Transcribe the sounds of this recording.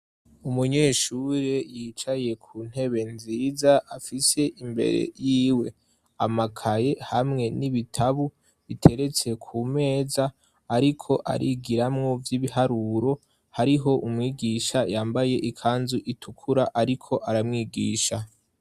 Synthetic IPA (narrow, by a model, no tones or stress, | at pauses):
umuɲe̞ːʃuːɾe̞jiːt͡ʃaje̞kʰuːn̥he̞βe̞nziːzaʔafise̞ʔimbe̞̰ɾḛjiːwe̞ | amakʰaje̞hamŋe̞niβitʰaβu | βitʰe̞ɾe̞t͡se̞kʰuːme̞ːzaː | ɾikʰo̞ʔa̰ɾʔiɡiɾamŋo̞vjiβiɦaɾuːɾo̞ | haɾiɦo̞ʔumŋiːɡiːʃajaːmbaje̞ʔikʰaːnzuʔitʰukʰuɾaʔaɾikʰo̞ʔaɾamŋiːɡiːʃa